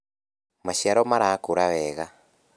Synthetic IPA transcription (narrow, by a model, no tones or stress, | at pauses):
maʃiaɾomaɾaːkuɾaβɛɣa